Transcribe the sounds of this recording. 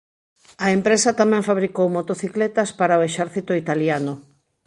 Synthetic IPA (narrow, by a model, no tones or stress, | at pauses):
aempɾesat̪amɛ̃ɱfaβɾikowmot̪oθiklet̪aspaɾaoeʃɛɾθit̪oit̪aljano